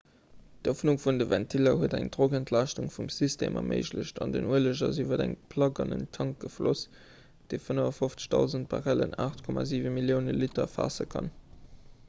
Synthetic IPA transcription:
d̥ofnuŋfundəvæntʰilɐɦuədæ̰ŋdʁoɡəntʰlɑɪʃtuŋfumsisteːmʔɐ̰mʔḛɪʃləɕtɑndənuələʑɐzyvɐdæŋpʰlɑɡɑnə̰ntʰɑŋk̚ɡ̥əflos | d̥eːfənəvɐfoft͡sə̥ʃd̥ɑʊzənt̚baʁælə̰naːχtkʰɔmaːziːvənmiljəʊnəlitɐfa̰ːsəkʰɑn

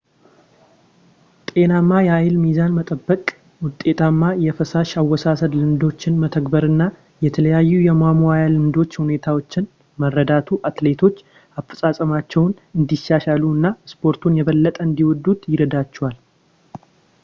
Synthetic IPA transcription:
t̪ʼe̞namːajɛajɪlmizanmət̪ʼəbːəkʼ | wʊt̪ʼːe̞t̪ʰamːajɛfəsaʃawːɔsasəd̪lɨmd̪o̞t͡ʃːɪnmət̪ʰəkbəɾɨnːa | jɛt̪ʰələjajːujɛmamoajalɨmd̪o̞t͡ʃːhune̞t̪ʰawot͡ʃːɪn | mərːəd̪at̪ʰuʔat̪le̞t̪ʰo̞t͡ʃː | afə̥sʼasʼəmat͡ʃːɛwn | ɨnd̪iʃːaʃaluɨnːaspʰo̞ɾt̪ʰunjɛβəlːət̪ʼəɨnd̪iwɔd̪ːut̪jɪɾəd̪at͡ʃːɛwal

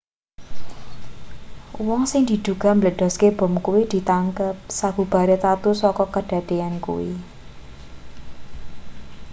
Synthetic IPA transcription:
wɔŋsɪŋd̪̥i̤d̪̥uɡ̥a̤mələɖ̥ɔ̤skeb̥ɔ̤mkuwid̪̥i̤t̪aŋkəp̚saɡ̥ub̥a̤ɾet̪at̪usɔkɔkəɖ̥a̤d̪̥e̤ankṵwḭ

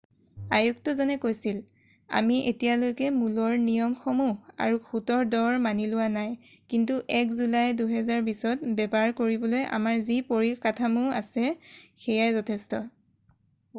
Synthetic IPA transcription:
ajuktɔzɔnɛkojsil | a̰miʔetijalojkɛmulɔɹnijɔmxɔmua̰ɹuxutɔɹdɔɹmanilʊwanaj | kintuʔɛkzulajduɦɛzaɹbisɔt̚bɛbaɹkoɹibɔlojʔa̰maɹzipoɹikatʰamua̰sɛxɛjaɹzɔtʰɛstɔ

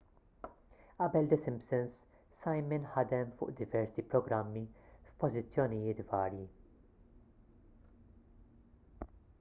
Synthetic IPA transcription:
ʔɐbɛld̪ɛsɪmpsɪns | sɐjmɪnħɐd̪ɛmfʊ̰ːʔd̪ɪvɛɾsipɾɔɡɾɐmːifpɔzɪt͡sːjɔnɪjɪːt̪vɐːɾji

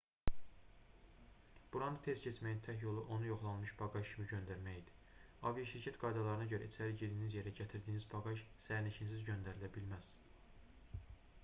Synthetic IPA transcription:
b̥uɾɑnɯt̪ʰezcʰet͡ʃmæjint̪ʰæhjo̞lˠuʔo̞nujo̞χlˠɑnmɯʃbɑɡɑʃcʰimiɟø̞nd̪æɾmæjid̪i̥ | ɑvijɑʃiɾcʰæt̪ɡɑjd̪ɑlˠɑɾɯnɑɟø̞ɾæit͡ʃ̪ʰæliɟid̪inizje̞ɾæɟæt̪ʰiɾd̪iːnizbʰɑɡɑʃsæɾnicʰinsizɟø̞nd̪æɾilæbilmæz̥

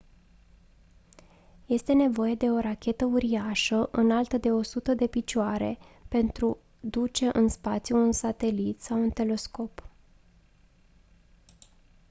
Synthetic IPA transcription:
je̞st̪e̞ne̞vo̞je̞d̪e̞o̞ɾakʲe̞t̪əuɾiaʃəʔɨnalt̪əd̪e̞o̞sut̪əd̪e̞pit͡ʃoaɾe̞̰ | pe̞nt̪ɾu | d̪ut͡ʃe̞ʔɨnspat̪sʲjuːnsat̪e̞lit̪sawunt̪e̞le̞sko̞p

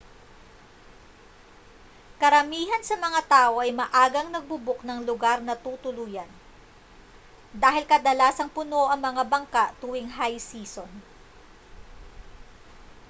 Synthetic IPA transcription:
kɐɾɐmiːɦɐnsɐmɐŋat̪aːʔo̞ʔɐjmɐʔaːɡɐŋnɐɡ̚bʊbʊk̚nɐŋlʊɡaɾnɐt̪uːt̪ʊluːjɐn | d̪aːɦɪlkɐd̪ɐlaːsɐŋpʊno̞ʔɐŋmɐŋabɐŋkaʔt̪uwɪŋɦajsiːson

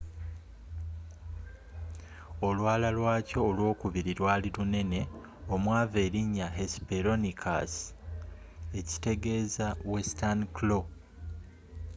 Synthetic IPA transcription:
o̞lwaːlalwaːco̞ːlwo̞ːkuβiɾiɾwaːlilune̞ne̞ | o̞mwaːve̞ːɾiɲːaɦespeɾo̞nikʰa̰s | e̞ci̥te̞ɡe̞zawe̞stanklo̞

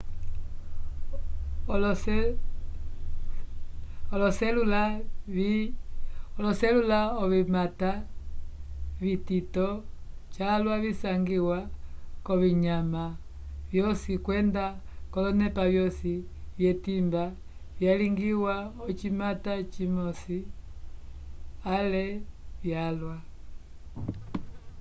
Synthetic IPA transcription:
l | ɔlɔsɛlulai | ɔlɔsɛlulaɔβimata | βititɔt͡ʃalwaβisaŋɡiwakɔβiɲama | vjɔsikwɛndakɔlɔnɛpavjɔsivjɛtimba | vjaliŋɡiwaɔt͡ʃimatat͡ʃimɔsi | alɛvjalwa

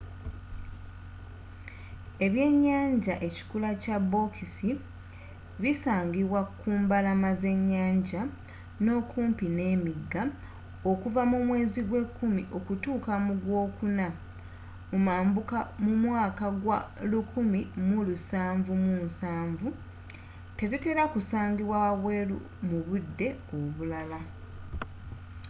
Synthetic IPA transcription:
e̞βje̞ːɲːaːɲɟaʔe̞ci̥kulacabo̞kʰisi | βisaːŋɡiβwakuːmbalamaze̞ɲːaːɲɟa | no̞ːkʰuːmpine̞ːmiɡːa | o̞kuvamumwe̞ːziɡwe̞kːumiʔo̞kutuːkamuɡwo̞ːkuna | mumaːmbukamumwaːkaɡwalukʰumimulusaːɱvumuːnsaːɱvu | te̞zite̞ːɾakusaːŋɡiβwaβaβwelṵ | muβudːe̞oβulala

